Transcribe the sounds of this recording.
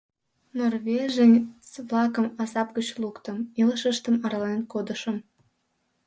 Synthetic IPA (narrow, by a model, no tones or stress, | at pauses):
norβeʒenʲt͡sβlɑkəmɑsɑpɡət͡ɕlukt̪əmiləʃəʃt̪əmɑɾɑlenkod̪əʃəm